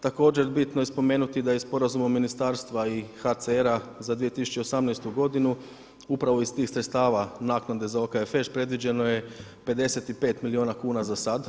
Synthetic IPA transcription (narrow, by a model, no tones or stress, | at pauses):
t̪ako̞ːd͡ʑeɾbit̪nojespo̞meːnut̪id̪ajespo̞ɾazumaminist̪aːɾst̪ʋaixat̪seeɾazad̪ʋije̞t̪isu̥t͡ʃe̞osamnɛjst̪uɡo̞d̪inu | upɾaʋo̞ist̪iːxsɾet̪st̪aːʋanaːknad̪ezaokaefeʃpɾe̞d̪ʋid͡ʑe̞no̞je̞ | pe̞d̪e̞se̞t̪ipe̞ːt̪milioːnakuːnazasad̪